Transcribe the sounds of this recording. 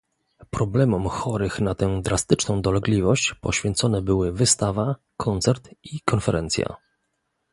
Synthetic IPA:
pɾɔblɛmɔmxɔɾɘxnat̪ɛd̪ɾast̪ɘt͡ʂnɔ̃w̃d̪ɔlɛɡlʲivɔɕt͡ɕpɔɕfʲjɛnt̪sɔnɛbɘwɘvɘst̪ava | kʰɔnt̪sɛɾt̪ikɔnfɛɾʔɛnt̪sʲja̰

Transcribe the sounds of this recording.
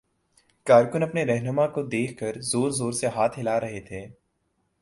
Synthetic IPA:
kaːɾkʊnɐpneɾɛɦnəmakod̪eːkʰkəɾzoːɾzoːɾseɦaːt̪ʰɦɪlaɾɐɦet̪ʰeː

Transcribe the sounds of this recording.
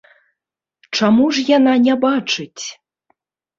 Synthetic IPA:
t͡ʂamuʐjananʲɛbat͡ʂɨt͡sʲ

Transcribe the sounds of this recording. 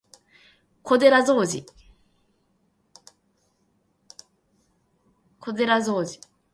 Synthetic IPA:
ko̞d̪e̞ɾazo̞ːd͡ʑi | kʰo̞d̪e̞ɾazo̞ːd͡ʑi̥

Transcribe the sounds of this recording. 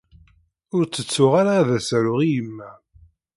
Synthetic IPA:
ʊɾt͡sːət͡sːʊʁaɾaːðæsæɾʊʁijəmːæ

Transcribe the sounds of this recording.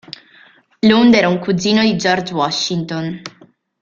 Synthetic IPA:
lund̪ɛːɾauŋkuziːnod̪id͡ʒɔrd͡ʒwɔʃːint̪on

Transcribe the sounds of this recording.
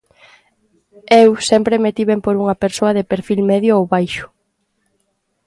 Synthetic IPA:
ewsɛmpɾemet̪iβempoɾuŋɐpeɾsoɐðepeɾfilmeðjoowβajʃʊ̥

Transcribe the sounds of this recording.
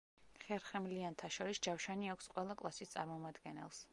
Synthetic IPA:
χɛɾχɛmliant̪ʰaʃɔɾisd͡ʒafʃaniakʷʰsqʼwɛlˠakʼlˠasist̪sʼa̰ɾmɔmad̪ɡɛnɛ̰lˠs

